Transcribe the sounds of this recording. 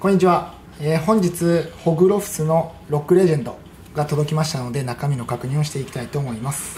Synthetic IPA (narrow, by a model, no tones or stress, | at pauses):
koɲ̟ːit͡ɕiβa | eːhõ̞ɲ̟d͡ʑit͡sɨho̞ɡɯ̟ɾo̞ɸɯ̟̥sɨno̞ | ɾo̞kːɯ̟ɾe̞ʑẽ̞nd̪o̞ | ɡat̪o̞d̪o̞kʲimaɕi̥t̪ano̞d̪e̞nakamʲino̞kakɯ̟ɲ̟ĩo̞ɕ̬i̥t̪e̞ikʲt̪ait̪o̞ːmo̞imasɨ̥